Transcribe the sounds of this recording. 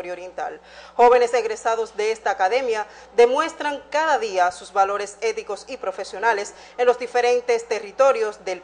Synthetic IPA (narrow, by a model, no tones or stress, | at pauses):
oɾjooɾjent̪a̰l | xo̞βe̞ne̞seɣɾe̞saðo̞zðe̞est̪aːkaðe̞mja | ðemwe̞st̪ɾaŋkaðaðiasuzβalo̞ɾe̞se̞t̪iko̞sipɾo̞fe̞sjo̞nale̞s | enlo̞zd̪ife̞ɾe̞nt̪e̞st̪e̞rit̪o̞ɾjo̞sðe̞l